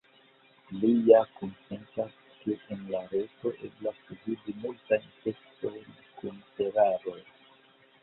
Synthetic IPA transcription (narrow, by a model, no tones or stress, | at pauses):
lijakonpentɾas | keʔenlaɾeto̞ʔe̞̰blasuvibimultajnte̞sto̞jn | kunte̞ɾaɾo̞j